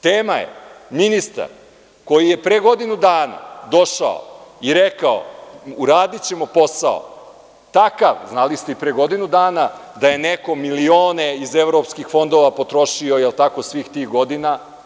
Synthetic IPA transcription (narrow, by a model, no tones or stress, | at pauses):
t̪eːmajḛminist̪a̰ɾ | ko̞jije̞pɾeɡo̞d̪inud̪aːna̰d̪o̞ʃa̰o̰iɾekao̰uɾaːd̪it͡ɕe̞mo̞po̞sao̰ | t̪akaʋznalist̪eipɾeɡo̞d̪inud̪aːnad̪aje̞neko̞milio̞ːneizevɾo̞pskixfo̞nd̪o̞ʋapo̞t̪ɾo̞ʃio̞jelˠt̪akosʋiːxt̪iːɣɡo̞d̪ina